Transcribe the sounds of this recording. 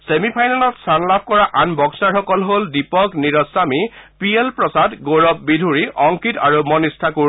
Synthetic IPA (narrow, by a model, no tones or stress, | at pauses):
semipʰajnalɔtstʰanlab̚ʱkɔɹaʔanbɔɡsaɹxɔkɔlɦoldipɔkniɹɔsamipielpɹɔsadɡoɹɔp̚bidʱuɹiʔɔŋkitaɹumɔnistʰaku